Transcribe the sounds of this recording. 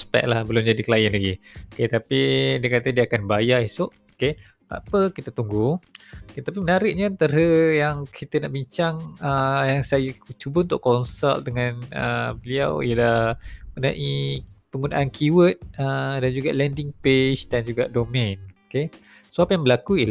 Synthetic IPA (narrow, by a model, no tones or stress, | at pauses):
sə̥pɛ̰ʔ̚lahbəlʊmd͡ʒadikəlajənlaɡioket̪apidiəkat̪ədiəakanbajaisʊʔoke | t̪a̰pəkit̪ət̪uŋɡuoket̪apimənaɾɪʔ̚ɲaːnt̪aɾəjaŋkʰit̪ənaʔbiɲt͡ʃaŋəjaŋsajət͡ʃubəunt̪ʊʔkɔnsa̰l̚dəŋãnə̰bəlia̰wḭəlahmənãʔipəŋɡunaʔankʰuwət̪̚ədand͡ʒuɡaʔlɛndɪŋpet͡ʃdand͡ʒuɡaʔdomɛ̃noke | suapjaŋbəlakuil